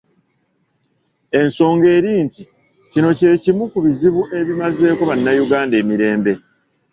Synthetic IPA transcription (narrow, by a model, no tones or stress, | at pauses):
e̞nso̞ːŋɡe̞ːɾiːnti | cino̞ce̞ːcimukuβiziβuʔe̞βimaze̞ːko̞βanːajuɡaːnde̞ːmiɾe̞ːmbe̞